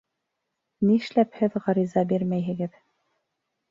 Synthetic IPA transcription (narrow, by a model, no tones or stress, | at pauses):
niʃlæphɘðʁɑɾizɑbiɾmæjɦɘ̆ɡɘð